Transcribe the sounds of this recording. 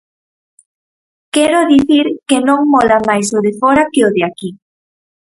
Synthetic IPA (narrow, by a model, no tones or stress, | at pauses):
kɛɾʊðiθiɾkenõŋmɔlamajsoðefɔɾakeoðeaki